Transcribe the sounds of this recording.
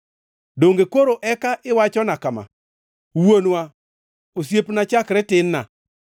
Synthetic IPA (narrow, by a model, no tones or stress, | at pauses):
doŋɡekoɾoʔɛkaʔɪwat͡ʃɔnakama̰ | wonwa | osjepnat͡ʃakɾɛtɪnːa̰